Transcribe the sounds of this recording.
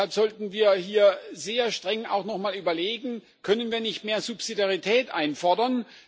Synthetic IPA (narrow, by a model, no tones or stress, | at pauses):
alpz̥ɔltn̩viːɐhiːɐzeːɐʃtʁ̥ɛŋa̰ʊxnɔχmaːlyːbɐleːɡŋ̩ | kʰœnənviːɐnɪçtmeːɐzupsidaʁitʰɛːtʔa̰ɪnfɔɐdɐn